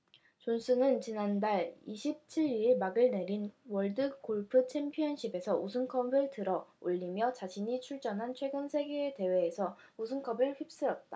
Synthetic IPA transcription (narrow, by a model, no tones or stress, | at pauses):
t͡ɕons͈ʰɯnɯnt͡ɕinandaɭiɕʰip̚t͡ɕʰiɾimaɡɯɭne̞ɾinwʌɭdɯkoɭpʰɯt͡ɕʰe̞mpʰiʌnɕʰibe̞sʰʌusʰɯŋkʰʌbɯɭtɯɾʌoʎːimjʌt͡ɕaɕʰiɲit͡ɕʰuɭt͡ɕ͈ʌnɦant͡ɕʰwe̞ɡɯnsʰe̞ɡeːte̞we̞ːsʰʌ | usʰɯŋkʰʌbɯɭɸɥip̚s͈ɯɾʌt̚t͈a